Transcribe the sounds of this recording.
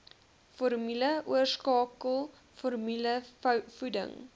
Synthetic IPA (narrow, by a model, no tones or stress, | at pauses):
fɔrmyləuərskɑːkəlˠ | fɔrmyləfudə̰ŋ